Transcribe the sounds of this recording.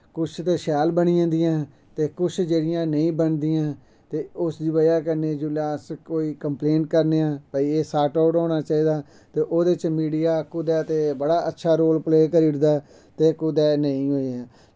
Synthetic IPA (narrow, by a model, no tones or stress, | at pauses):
kʊt͡ʃʰt̪eːʃaːlbəɽiãːnd̪ɪjãː | t̪eːkʊt͡ʃʰd͡ʒeːɽɪjãːnəĩːbənd̪ɪjãː | t̪eːʊsd̪iːbəjaːkəɾneːd͡ʒuːlaːskoːiːkəmpleːɳʈkəɾneːãːbaiːeːsaːʈaːʈɔ̃ːnaːt͡ʃaːiːd̪aː | t̪eːʔoːd̪et͡ʃmiːɽijaːkʊd̪ɛːt̪eːbəɽaːʔətːʃʰaːɾoːlpleːkəɾiːɽd̪aː | t̪eːkʊd̪ɛːnəĩːɦoːiãː